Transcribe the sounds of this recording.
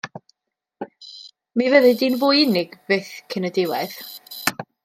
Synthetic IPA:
mivəðɨdinvʊːɪnɪɡb̥ɪθkʰənədɪwɛð

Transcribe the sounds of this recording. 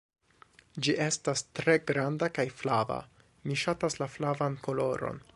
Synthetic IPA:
d͡ʒiʔe̞stastɾe̞ɡɾandakajflava̰ | miʃataslaflavanko̞lo̞ɾo̞̰n

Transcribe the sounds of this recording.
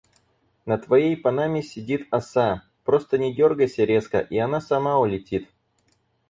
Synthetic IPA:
nət̪vɐjejpɐnamʲɪsʲɪdʲit̪ɐsa | pɾo̞st̪ənʲɪdʲo̞rɡəjsʲəɾʲe̞skə̰ʔiɐnasɐmaʊlʲɪtʲit̪

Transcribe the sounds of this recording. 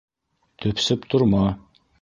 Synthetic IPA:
t̪ʰɵpsɘpt̪ʰʊɾmɑ

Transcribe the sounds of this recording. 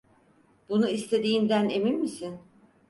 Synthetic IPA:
bunuist̪ʰe̞d̪iːnd̪æne̞minmisin

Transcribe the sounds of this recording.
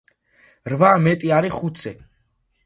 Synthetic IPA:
ɾvamɛt̪ʼiaɾiχut̪ʰsɛ

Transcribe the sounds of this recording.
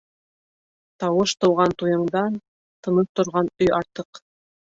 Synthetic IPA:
t̪ɑwɤʃt̪ɤ̆wʁɑnt̪ujɤ̆ɴd̪ɑn | t̪ɤ̆nɤpt̪ŏɾʁɑnɵjɑɾt̪ɤq

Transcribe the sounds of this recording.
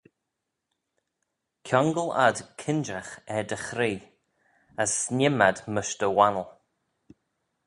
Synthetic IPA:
kʰjɔŋɡəla̰dkʰɪnd͡ʒaxɛd̪əxɾiː | əsnʲɪmad̪məʃd̪əwanəlˠ

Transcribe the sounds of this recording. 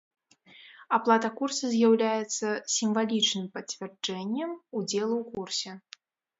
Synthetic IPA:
aplˠat̪ɐkursɐzʲjawlʲajɛt̪sːɐsʲimvalʲit͡ʂnɨmpɐt͡sʲvʲɛrd͡ʐɛnʲːɛmud͡zʲɛlˠuwkursʲɛ

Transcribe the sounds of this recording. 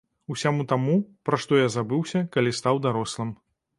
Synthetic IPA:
usʲamut̪amupɾaʂt̪ɔjazabɨwsʲɐkalʲist̪awd̪aɾɔslˠɐm

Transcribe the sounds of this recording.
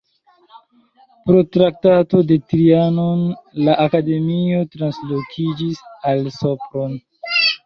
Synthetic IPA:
pɾo̞tɾak̚tato̞de̞tɾianonlaʔakade̞mio̞tɾanslokʰid͡ʒisalso̞pɾon

